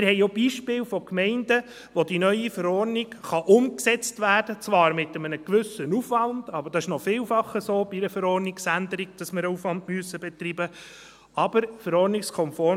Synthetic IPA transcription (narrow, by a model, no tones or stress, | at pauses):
mɪɾhɛɪobiːʃpɪːlfɔkmɛɪnd̥ə | ʋodinœʏifəɾɔrnɪɡχɑʔʊmksɛt͡stʋæːrd̥ət͡sʋɑːɾmɪtəmənəkʋʏsənufʋɑnd̥ɑbəɾd̥ɑɪʃnɔfɪːlfɑχəsoːbiiɾəfəɾɔːrnɪksændəɾiɡ̥d̥ɑsmɪɾəufʋɑndmyøəsːəbɛt̪ribə | ɑb̥əɾfəɾɔɾnɪkskʰɔmfɔː